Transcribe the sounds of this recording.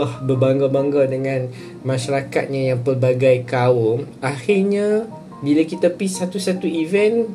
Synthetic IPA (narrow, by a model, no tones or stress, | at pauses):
ahbərbaŋɡabaŋɡawdəŋãn | mãʃaɾaka̰t̪̚ɲãjaŋpərbaɡajkaom | axirɲa | bilakit̪apisat̪usat̪uivɛn